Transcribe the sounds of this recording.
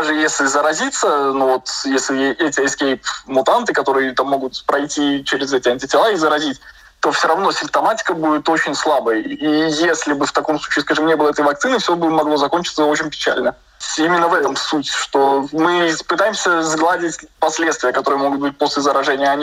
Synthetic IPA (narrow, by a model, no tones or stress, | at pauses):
aʐɨjesʲlʲɪzəɾɐzʲit̪sːənuvo̞t̪jesʲlʲɪjeɛtʲɪɪskʲejpmʊt̪ant̪ɨkɐt̪o̞ɾɨjət̪amːo̞ɡʊt̪pɾɐjtʲit͡ɕɪɾʲɪzɛtʲɪɐnʲtʲɪtʲɪlˠaizəɾɐzʲitʲ | t̪ːo̞fsʲoɾɐvno̞sʲɪmp̚t̪ɐmatʲɪ̥kəbudʲɪt̪o̞t͡ɕɪnʲslˠabəjijesʲlʲɪbɨft̪ɐko̞msˠut͡ɕiːskaʐɨmnʲeblˠəɛt̪əjvɐk̚t̪sɨnɨfsʲo̞bɨmɐɡlˠo̞zɐko̞nʲt͡ɕɪt̪səo̞t͡ɕɪnʲpʲɪ̥t͡ɕæ̰lʲnə | imʲɪnːəvɛt̪əmsutʲʂt̪o̞mɨpɨt̪ajɪmsʲəzɡlˠadʲɪtʲpɐsʲlʲet̪st̪vʲɪjəkɐt̪o̞ɾɨjəmo̞ɡʊt̪̚bɨt̚ʲpo̞sʲlʲɪzəɾɐʐɛnʲɪjəɐnʲi